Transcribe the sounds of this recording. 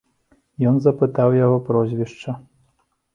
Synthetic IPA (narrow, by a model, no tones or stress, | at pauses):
jɔnzɐpɨt̪awjaɣɔpɾɔzʲvʲiʂt͡ʂɐ